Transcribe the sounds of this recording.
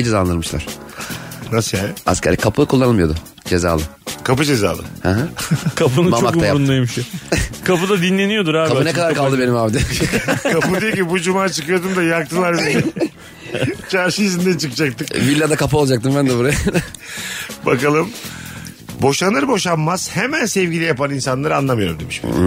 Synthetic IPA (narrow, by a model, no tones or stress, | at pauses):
d͡ʒezad̪ɯɾmɯʃlˠa̰ɾ̥ | nasɯjana̰scʲḛɾikʰapʰɯkʰulˠːanɯlˠmɯjo̞d̪ʊ | d͡ʒe̞za̰ːlˠɯkʰapɯd͡ʒe̞za̰ːlˠɯ̰haɦakʰap̬ɯnɯmat͡ʃmakt̪ajaɾunlˠajmʃokʰapɯd̪ad̪inlʲe̞nijo̞d̪uɾaːbapɯnekad̪aɾkalˠd̪ɯbe̞nimaːbd̪ɛkʰapɯd̪ijociibud͡ʒumaːt͡ʃʰɯkɯjo̞d̪umd̪ajak̚t̪ʰɯlˠaɾbel | t͡ʃʰaɾʃɯjizind̪ænt͡ʃʰɯkɯd͡ʒak̚t̪ɯkvilʲːad̪akapɯoad͡ʒak̚t̪ɯmbænd̪ɛbuɾaja | ba̰kalˠɯm | bo̞ʃanɯɾɯbo̞ʃanmaz̥hemænsɛvɟilʲijapaninsanlˠaɾɯanlˠamɯjo̞ɾumd̪emiʃ